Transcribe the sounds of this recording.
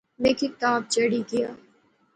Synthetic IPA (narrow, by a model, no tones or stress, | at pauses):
mẽːkikɪt̪aːb̚d͡ʒɐɽiɡɪja̰ː